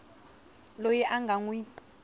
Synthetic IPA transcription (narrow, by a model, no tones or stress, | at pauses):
lojɛʔaŋɡʱaŋwi